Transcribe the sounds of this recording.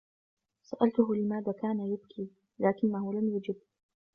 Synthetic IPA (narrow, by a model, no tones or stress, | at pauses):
saʔalt̪ʊɦʊlɪmaːðaːkaːnajʊbkʰiː | laːkɪnːaɦʊlamjad͡ʒɪb̚